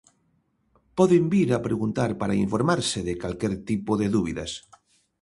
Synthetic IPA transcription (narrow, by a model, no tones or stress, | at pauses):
pɔðembiɾapɾeɣunt̪aɾpaɾaiɱfoɾmaɾseðekalkɛɾt̪ipoðeðuβiðas